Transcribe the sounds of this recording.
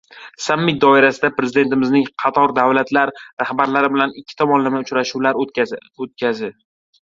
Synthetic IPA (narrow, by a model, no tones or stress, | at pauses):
samːɪt̪̚d̪ɒɪɾasɪd̪apɾe̞zɪd̪e̞nt̪ɪmɪznɪŋqʰɑt̪ʰɒɾd̪avlat̪ʰlaɾɾahbaɾlaɾɪbɪlanɪkʲʰːɪ̥t̪ʰɒmɒnlamaʊt͡ʃɾaʃuwlaɾot̪̚kʲʰazɪ